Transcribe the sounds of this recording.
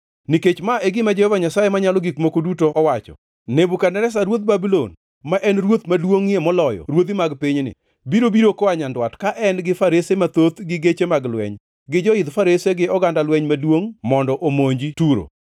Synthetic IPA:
niket͡ʃmaeɡɪmad͡ʒehɔvaɲasajemaɲalɔɡikmokodutoːwat͡ʃɔ̰ | nebukanɛɾɛs̬aɾwot̪̚babilon | maʔɛnɾwot̪madwoŋiemɔlɔjɔ̰ɾwot̪imaɡpiɲnɪ̰ | biɾobiɾokɔaɲandwatkaʔɛnɡɪfaɾesemat̪ot̪ɡɪɡet͡ʃemaɡlwɛ̰ɲ | ɡɪd͡ʒɔɪd̪faɾeseɡɪɔɡandalwɛɲmadwoŋmɔndɔʔomoɲd͡ʒituɾo̰

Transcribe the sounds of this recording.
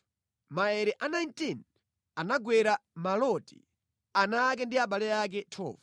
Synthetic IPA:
maɛɾɛʔanajntin | anaɡwɛɾamalɔtḭ | anak̬ɛndiaɓalɛjak̬ɛtʰɔ̰ːva

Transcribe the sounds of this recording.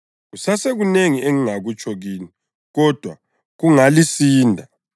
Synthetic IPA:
usaseɣuneŋieŋiŋaɣut͡ʃʰʼɔɣiːni | ɣɔd̥ʱwa | ɣuŋalisiːndʱa

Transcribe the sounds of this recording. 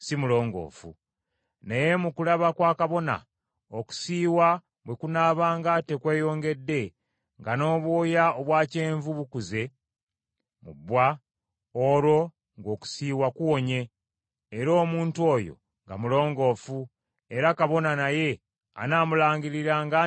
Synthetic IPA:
simulo̞ːŋɡo̞̰ːfṵ | neje̞mukulaβakwaːkaβo̞na̰ | oku̥siːwa | βwe̞kunaβaːŋɡate̞kwe̞ːjo̞ːŋɡe̞dːe̞ | ŋɡano̞ːβwoːjaoβwaːce̞ːɱvuβukuze̞ | mṵbwa | oɾo̞ | ŋɡo̞ːku̥siːwakuwo̞ɲe̞ː | ɾo̞ːmuːntuo̞ːjo̞̰ | ŋɡa̰mulo̞ːŋɡo̞ːfu | e̞ɾakaβo̞nanaje̞ | a̰naːmulaːɲɡiɾiɾaŋɡa

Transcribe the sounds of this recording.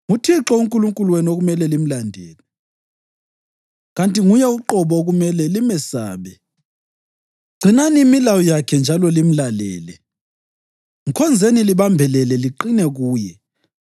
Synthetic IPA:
ŋutʰiǁɔuŋkʼuluŋkʼuluwenioɣumɛlɛlim̩landʱɛːlɛ | ɣantʼiŋujɛuǃɔβɔɣumɛlɛlimɛsa̰ːβɛ | ɡ͡ǀʱinaniːmilawɔjakʰɛnd͡ʒʱalɔlim̩lalɛ̰ːlɛ | ŋkʰɔnd͡zʱeniliβambʱɛlɛlɛliǃinɛɣuːjɛ

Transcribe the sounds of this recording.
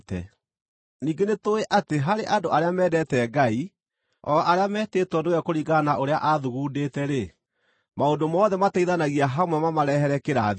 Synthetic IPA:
tɛ̰ | niːŋɡenetoeʔateɦaɾeʔadoʔaɾeamɛːdɛtɛːɡai | ɔʔaɾeamɛteːtwɔnewɛkoɾiɣanaʔoɾeaʔaðuɣuːdetɛɾe | maondomɔðɛmataiðanaɣiaɦamwɛmamaɾɛhɛɾɛkeɾa

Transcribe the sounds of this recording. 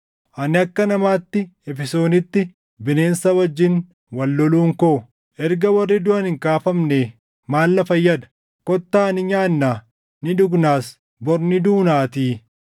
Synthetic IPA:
ʔɐnɪɐkːɐnɐmaːt̪ːɪɛfɪso̞ːnɪt̪ːɪ | bɪne̞ːnsɐwɐd͡ʒːɪn | wɐlːɔluːŋkoʊ | ʔɛɾɡɐwɐrːɪd̪ʊʔɐnhɪŋkaːfɐmne | maːlːɐfɐjːɐd̪ɐ̥ | kɔt̪ːaːɐnɪɲaːnːaː | nɪd̪ʊɡnaːs | bɔɾnɪd̪uːnaːt̪iː

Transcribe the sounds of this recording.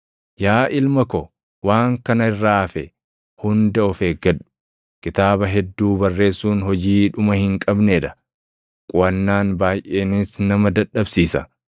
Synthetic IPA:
jaːʔɪlmɐkɔ | waːŋkɐnɐɪrːaːɐfɛ | hʊnd̪ɐɔfeɡɐᶑʊ̥ | kɪt̪aːbɐɦɛd̪ːuːbɐrːe̞ːsːuːnɦɔd͡ʒiːᶑʊmɐhɪŋkʼɐbneːᶑɐ̥ | kʼʊɐnːaːnbaːjʔe̞ːnɪsnɐmɐd̪ɐᶑːɐbsiːsɐ̰

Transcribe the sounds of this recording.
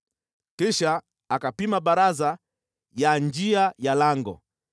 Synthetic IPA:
kiʃaː | kapimaɓaɾaza | jand͡ʒiajalaŋɡɔ̰

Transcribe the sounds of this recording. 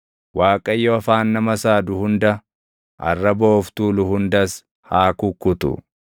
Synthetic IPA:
waːkʼɐjːoɐfaːnːɐmɐsaːd̪ʊhʊnd̪ɐ | ʔɐ̰rːɐboːft̪uːlʊhʊnd̪ɐs | haːkʊkːʊt̪ʊ̰

